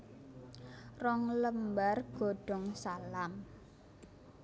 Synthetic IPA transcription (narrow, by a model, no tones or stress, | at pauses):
rɔŋləmbarɡ̥o̤ɖ̥ɔ̤ŋsalam